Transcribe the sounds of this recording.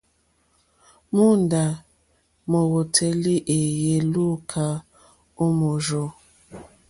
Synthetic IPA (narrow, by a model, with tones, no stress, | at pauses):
mu˦n˨da˨ | mo˨wo˨tʰe˦li˦ʔe˨je˦lu˦kʰa˦ | o˦mo˨ʒo˦